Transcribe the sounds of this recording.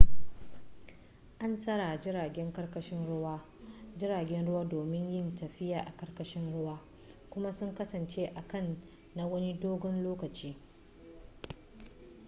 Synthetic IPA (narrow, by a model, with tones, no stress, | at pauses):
ʔa˦nsɐ˦ɽa˨d͡ʒɪ˦ɾaː˨ɡʲɛ˦ŋkɐ˦rkɐ˦ʃɪ˦nɽʊ˦waː˦ | d͡ʒɪ˦ɾaː˨ɡʲɛ˦nɽʊ˦waː˦doː˨mɪ˦ɲjɪ˦ntɐ˨ɸɪ˦jaː˨ʔa˨kɐ˦rkɐ˦ʃɪ˦nɽʊ˦waː˦ | kʷʊ˦ma˦sʊ˦ŋkɐ˦sɐ˨nt͡ʃeː˦ʔa˨kɐ˦˨nː | a˦wɐ˦ni˦doː˦ɡɔ˦nloː˦kɐ˨t͡ʃiː˦